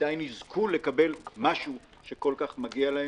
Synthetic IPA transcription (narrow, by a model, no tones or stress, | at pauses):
dajnizkʰulekabe̞lmaʃu | ʃeko̞lkaχmaɡialahe